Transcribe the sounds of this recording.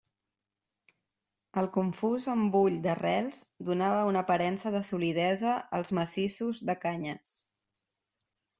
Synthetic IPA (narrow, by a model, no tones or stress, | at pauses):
əlˠkuɱfuzəmbuʎd̪ərɛlˠzd̪unaβəunəpəɾɛnsəðəsuliðɛzəəlˠzməsisuzðəkaɲəs